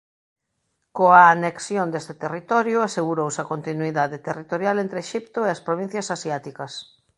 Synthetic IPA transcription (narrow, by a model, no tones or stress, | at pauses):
koaːneksjond̪est̪ɪt̪erit̪ɔɾjʊaseɣuɾowsɐkont̪inuiðaðet̪erit̪oɾjalẽnt̪ɾeːʃipt̪ʊeɐspɾoβĩn̟θjɐsasjat̪ikɐs